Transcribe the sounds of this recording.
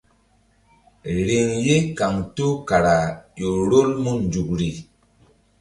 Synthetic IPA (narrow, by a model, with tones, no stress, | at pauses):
ɾe˨ŋje˦ka˨ŋtu˦ka˨ɾa˨jo˨ɾo˦lmu˦nd͡ʒu˨kɾi˨